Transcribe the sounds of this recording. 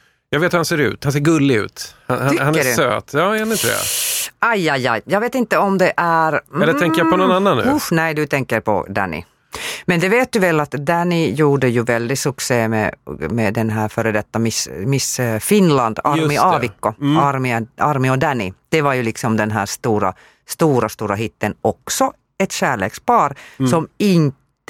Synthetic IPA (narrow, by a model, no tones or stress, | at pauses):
jɑːɡveːt̪hʉhanseːɾʉ̟̰ːt̪hanseːɾɡɵlːɪʉ̰ːt̪hahaʏkhanːəɖsø̰ːt̪jɑːnɪnt̪əd̪ɛ̰ajajajjɑːɡveːt̪ɪnt̪ːəɔmd̪ɛʔæɾɛlːəɾt̪ɛŋkːəɾjapʰɔnɔnanːanːʉʊnɛjd̪ɵt̪ʰɛŋkəɾpʰɔ̰d̪æ̰nːɪ̰ | mɛnd̪ɛveːt̪̚d̪ɵvɛlːat̪d̪ænɪjuːɖəjʉvɛld̪ɪsɵkseːmɛ̰mɛd̪ɛnɦæːɾfœɾəd̪ɛt̪ːamɪsmɪsfɪnland̪aɾmɪɑvɪkːɔaɾmɪaɾmɪɔd̪ænɪd̪̥ɛvaɾjʉlɪksɔmd̪ɛnɦæːʂt̪uːɾa̰ | st̪uːɾast̪uːɾaɦɪt̪ːənɔksɔ | ɛt̪ɕæːɭḛːkspɑːɾsɔmɪnt̪